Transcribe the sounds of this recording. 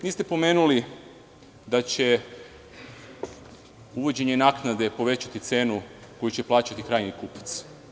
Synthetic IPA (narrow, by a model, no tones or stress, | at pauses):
niːst̪epo̞me̞ːnuli | d̪at͡ɕe̞ | uʋo̞d͡ʑe̞ɲe̞naːknad̪e̞po̞ʋe̞t͡ɕat̪it̪se̞ːnuko̞jut͡ɕeplˠaːt͡ɕat̪ikɾaːjnikupḁt̪s